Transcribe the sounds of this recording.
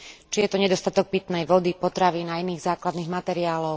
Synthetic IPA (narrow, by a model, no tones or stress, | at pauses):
t͡ʃijɛt̪ɔɲɛd̪ɔst̪at̪ɔk̚pit̪nɛjʋɔd̪ipɔt̪ɾaʋiːnainiːɣzaːklad̪niːɣmat̪ɛɾiaːlɔʊ